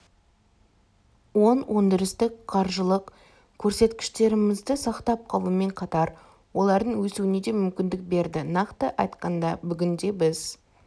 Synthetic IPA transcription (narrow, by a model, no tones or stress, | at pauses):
wo̞nwʔond̪ɪɾɪst̪ɪkqʰɑɾʒəlˠəq | kʲʰɵɾse̞t̪kʲɪ̥ʃt̪e̞ɾɪmɪzd̪ɪsɑqt̪ɑp̚qʰɑlˠuəme̞ɴqʰɑt̪ɑɾ | wo̞lˠɑɾd̪əɴwɵsuwɪned̪e̞mʏmkʲɪnd̪ɪk̚be̞ɾd̪ɪnɑqt̪əʔɑjt̪qɑnd̪ɑbʏɡʲɪnd̪e̞bɪz